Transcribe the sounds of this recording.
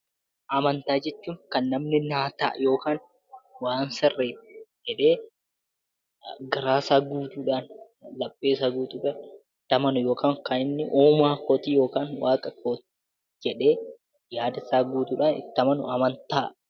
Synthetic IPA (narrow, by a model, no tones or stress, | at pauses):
ʔɐmɐnt̪aːd͡ʒɛt͡ʃːuːŋkɐnːɐmnɪnaːt̪a̰ːjo̞ːkaːn | waːnsɐrːeːd͡ʒɛᶑeː | ɡɐɾaːsaːɡuːt̪uːᶑaːn | lɐpʼːe̞ːsaɡuːt̪uːᶑaːnɪt̪ːɐmɐnʊjo̞ːkaːŋkɐnɪnːɪʔoːmaːkoːt̪ijo̞ːkaːnwaːkʼɐkoːt̪i | d͡ʒɛᶑe̞ː | jaːd̪ɐsaːɡuːt̪uːᶑaːnɪ̰t̪ːɐmɐnʊ̰ɐmɐnt̪aː